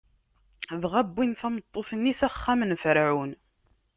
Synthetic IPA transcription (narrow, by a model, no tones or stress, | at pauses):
ðʁabːinθæmət̪ˤːoθnːisæχːæmənfɾʕun